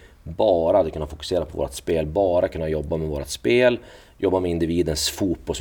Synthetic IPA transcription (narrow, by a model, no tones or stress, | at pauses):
bɑːɾat̪kɵnːafʊkɵ̥seːɾapʰɔvo̰ːɾat̪speːlbɑːɾakʰɵnːajɔbːamɛvoːɾa̰t̪speːl | jʔɔbːamɛɪnd̪ɪviːd̪ənsfuːt̪̚pbɔs